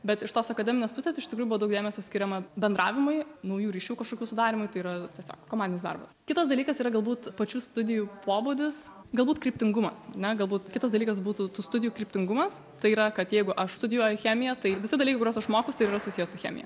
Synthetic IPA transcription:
bʲɛt̪ɪʃt̪oːsɐkɐd̪ʲɛmɪneɛspʊsʲeːsɪʃt̪ʲɪkɾuːjʊbʋoːd̪ɐʊk̚d̪ʲeːmʲɛsʲoːsʲkʲɪɾʲɛmɐbʲɛnd̪ɾɑ̰ːʋʲɪmʊɪnɐʊjuːɾʲiːʃʲuːkɐʃkoːkʲuːsʊd̪ɑːɾʲimʊjt̪ɐɪiːɾɐt̪ʲiɛsʲo̰ːkkoːmɑːdʲɪnʲɪsd̪ɐ̰rbɐskʲɪt̪ɐsd̪ɐlʲiːkɐsiːɾɐɡɐlˠbuːt̪pɐt͡ʃʲust̪ʊd̪ʲɪjuːpoːbʊd̪ʲɪs | ɡɐlˠbuːt̪kɾʲɪpʲt̪ʲɪŋɡʊmɐsɐrnʲɛɡɐlˠbuːt̪kʲɪt̪ɐsd̪ɐlʲikɐsbuːt̪ut̪uːst̪ʊd̪ʲɪjuːkɾʲɪpʲt̪ʲɪŋɡʊmɐs | t̪ɐɪiːɾɐkɐt̪jɛɪɡʊʔɐʃst̪ʊd̪ʲɪjoːjʊxʲæːmʲɪjɛt̪ɐɪʋʲɪsʲɪd̪ɐliːkɐɪkʊɾʲoːsɐʃmoːkʊst̪ɐɪɾiːrɾɐsʊsʲiːjɛsʊxʲæ̰ːmʲɪ̰jɛ̰

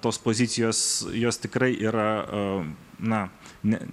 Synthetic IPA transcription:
t̪oːspoːzʲɪt̪sʲɪjoːsjoːst̪ʲɪkrɐɪʔiːɾɐ | nɐnʲɛ̰

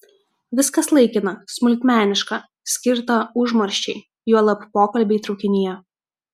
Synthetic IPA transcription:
ʋʲɪskɐslˠɐɪkʲɪnɐsmʊlʲkt̪ʲmʲæːnʲɪʃkɑ | sʲkʲɪɾt̪ɐʊʒmɐɾʲʃʲt͡ʃʲɛɪ | juɔlˠɐppoːkɐlʲbʲɛɪt̪ɾɒʊkʲɪnʲɪjɛ

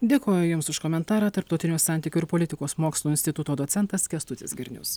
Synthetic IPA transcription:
d̪ʲeːkoːjʊjʊmsʊʃkɔmʲɛnt̪ɑːɾɑːt̪ɐɾp̚t̪ɒʊt̪ʲɪnʲuːsɑˑnʲt̪ʲiːkʲuɪɾpoɔlʲɪt̪ʲɪkoːsmoːkslˠuːɪnʲsʲt̪ʲɪt̪ʊt̪oːd̪osʲɛnt̪ɐskʲɛst̪ʊt̪ʲɪsɡʲɪɾʲnʲʊ̰s

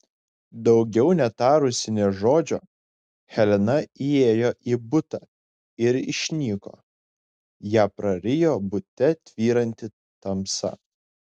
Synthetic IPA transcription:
d̪ɒʊɡʲɛʊnʲɛt̪ɑːɾʊsʲɪnʲeːʒoːd͡ʒʲo̰ː | xʲɛlʲɛnɐieːjoːʔiːbʊt̪ɑ | ɪɾɪ̰ʃʲnʲiːko̰ː | jæːpɾɐɾʲɪjoːbʊt̪ʲɛt̪ʲʋʲiːɾɐnʲt̪ʲɪ | t̪ɐmsɐ̰

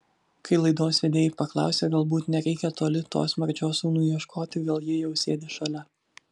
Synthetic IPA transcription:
kʰɐɪlˠɐɪd̪oːsʲʋʲɛd̪ʲeːjɪpɐklˠɑ̰ˑʊsʲeːɡɐlˠbuːt̪nʲɛɾʲɛɪkʲɛt̪oːlʲɪt̪o̰ːsmɐɾʲd͡ʒʲoːsuːnʊiɛʃkʰoːt̪ʲɪɡʲeːlˠjɪjɛʊsʲeːd̪ʲeːʃɐlʲɛ

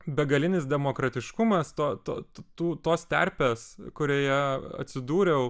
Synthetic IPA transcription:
bʲɛɡɐlʲɪnʲɪsd̪ʲɛmoːkɾɐt̪ʲɪʃkʊmɐst̪oːt̪o̰ːt̪t̪uːt̪oːst̪ʲɛ̰ɾʲpʲeːskʊɾʲoːjɛɐ̰t̪ʲsʲɪd̪uːɾʲɛʊ

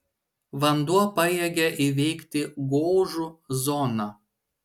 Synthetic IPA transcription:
ʋɐnd̪uɔpɐjɛɡʲɛʔiʋʲɛɪkt̪ʲɪɡoːʒuzɔnɐ

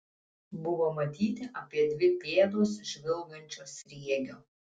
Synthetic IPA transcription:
bʊʋoːmɐt̪ʲiːt̪ʲɪʔɐpʲiɛd̪ʲʋʲɪpʲeːd̪oːsʒʲʋʲɪlˠɡɐnʲt͡ʃʲoːsɾʲiɛɡʲoː

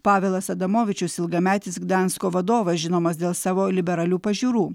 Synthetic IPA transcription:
pɑːʋʲeːlˠɐssɐd̪ɐmoːʋʲɪt͡ʃʲʊsɪlˠɡɐmʲæːt̪ʲɪsɡd̪ʲɑnskoːʋɐd̪oːʋɐsʒʲɪnoːmɐsd̪ʲeːlˠsɑːʋoːlʲɪbʲɛɾɐlʲuːpɐʒʲuːɾuː

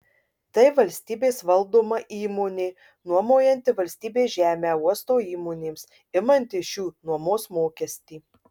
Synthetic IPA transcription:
t̪ɐɪʋɐlʲsʲt̪ʲiːbʲeːsʋɐlˠd̪oːmɐʔiːmoːnʲeː | nuɔmoːjɛnʲt̪ʲɪʋɐlʲsʲt̪ʲiːbʲeːʒʲæːmʲæːuɔst̪oːiːmoːnʲeːms | ɪmɐnʲt̪ʲɪʃʲuːnuɔmoːsmoːkʲɛsʲt̪ʲiː

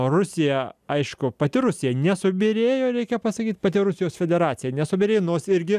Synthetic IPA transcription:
rʊsʲɪjɛɐɪʃkʊpɐt̪ʲɪɾʊsʲɪjɛnʲɛsʊbʲeɾʲeːjoːɾʲɛɪkʲɛpɐsɐkʲiːt̪ʲpɐt̪ʲɪɾʊsʲɪjoːsfʲɛd̪ʲɛɾɑːt̪sʲɪjɛnʲɛsʊbʲeːɾʲeːjonoːsɪɾʲɡʲɪ

